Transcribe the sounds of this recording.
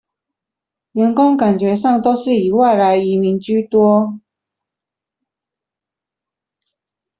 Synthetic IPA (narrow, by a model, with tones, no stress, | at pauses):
ɥɛ˧˥nkʊ˥ŋka˨˩nt͡ɕɥɛ˧˥ʂɑ˥˩ŋt̪o˥ʊʂɻ̩˥˩i˧˥wa˥˩ɪla˧˥ɪi˧˥mi˨˧˥ŋt͡ɕy˥t̪wɔ˥